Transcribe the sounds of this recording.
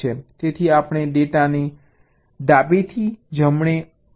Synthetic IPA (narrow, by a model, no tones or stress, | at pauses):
et̪et̪ʰiapɽ̃eɖeʈane | d̪abet̪ʰid͡ʒəmɳ̃e